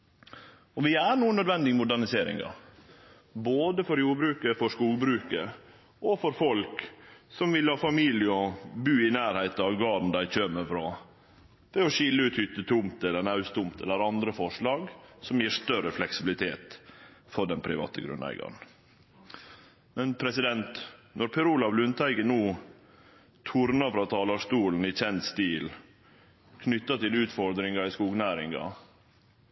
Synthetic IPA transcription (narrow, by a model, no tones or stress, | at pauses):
ɔʋɪæɾɳuːənœd̪ʋɛnd̪ɪɡmʊd̪æɳɪseːɾɪ̰ŋɑ̰ | boːd̪əfɔɾjuːɾbɾʉːkəfɔʂkuːlbɾʉːkə | ʔɔfɔɾfɔlksɔmʋɪlhɑːfɑmiːljɪəɔbʉːɪnæːɾhæɪt̪ɑʋɡɑːɾn̩d̪æɪçøːməfɾɑ | ʋɛɔʃɪlːəʉːt̪hʏt̪ːət̪ʰʊmt̪ɛlːəɳɑʉst̪ʊmt̪ɛ̰lːəɾɑnd̪ɾəfɔʂɭɑːɡsɔmjiːɾʂt̪œɾəflɛksɪbɪlɪt̪ʰeːt̪fɔɖɛnpʰɾɪʋɑ̰ːt̪əɡɾʉ̰nːæ̰ɪɡɑ̰n̩ | mɛnpʰɾɛsɪd̪ɛnt̪nɔɾpʰɛɾuːlɑʋlʉnt̪ʰæɪɡənuː | t̪ʰuɾnɑfɾɑːt̪ʰɑːlɑʂt̪uːln̩ɪc͡çɛnt̪st̪iːl | kʰnʏt̪ːɑt̪ɪlʉːt̪fɔɾd̪ɾɪŋɑɾɪskuːɡnæːɾɪŋɡɑ̰